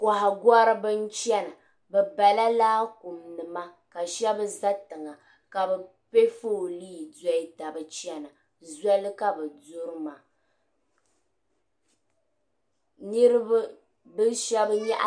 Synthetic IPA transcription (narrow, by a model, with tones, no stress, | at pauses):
kʷa˨ha˨ɡa˦ɾɨ˦bɨ˦nt͡ʃɛ˦na˨ | bɛ˨ba˨la˦laː˦ku˨mnɨ˨ma˦ | ka˨ʃɛ˦bɨ˦za˦tɨ˨ŋa˨ | ka˨bɛ˨ | pe˦fo˦˨liː˦˨da˦i˦ta˨bɨ˨t͡ʃi˦ɛ˦na˨ | za˦lɨ˦ka˦bɛ˨dʊ˦ɾɨ˦ma˨ | nɨ˦ɾɨ˦ba˦ | bɨ˦ʃɛ˦bɲɛ˦ʔ